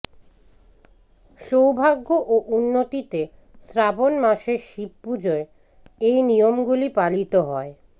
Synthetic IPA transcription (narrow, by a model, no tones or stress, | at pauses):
ʃowbʱaɡːoʔoʔunːot̪it̪e | sɾabonmaʃeɾʃib̚pud͡ʑoɾ | ejnijomɡulipalit̪oɦɔe